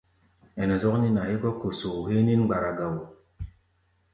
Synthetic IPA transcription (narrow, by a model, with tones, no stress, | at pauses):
ɛ˨nɛ˨zɔ˦kni˦na˨hi˦ɡɔ˦ko˨so˨u˨he˦ni˦n˦ɡ͡ba˨ɾa˨ɡa˨wo˨